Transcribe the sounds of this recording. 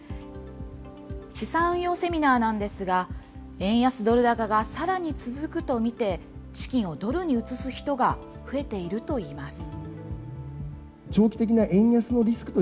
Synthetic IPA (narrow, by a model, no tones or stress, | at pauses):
ɕisãɰ̃jo̞ːse̞mʲinaːnãnd̪e̞sɨɡa | ẽ̞ɰ̃jasɨd̪o̞ɾɯ̟d̪akaɡasaɾaɲ̟it͡sɨzɨkɯ̟t̪o̞mʲit̪e̞ɕi̥kʲĩɰ̃o̞d̪o̞ɾɯ̟ɲ̟iɯ̟t͡sɨsɨçi̥t̪o̞ɡa | ɸɯ̟e̞t̪e̞iɾɯ̟t̪o̞iːmasɨ̥ | t͡ɕo̞ːkʲi̥t̪e̞kʲinaʔẽ̞ɰ̃jasɨno̞ɾʲisɨ̥kɯ̟t̪o